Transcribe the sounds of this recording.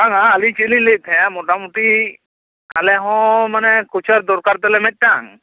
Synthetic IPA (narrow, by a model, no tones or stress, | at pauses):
aŋaːlĩt͡ʃelĩɲlet̪ʰɛ̃amɔʈamuʈi | alɛɦɔ̃manɛkut͡ʃʰaɾd̪ɔɾkaɾt̪ɛlɛmɛc̪̚t̪aŋ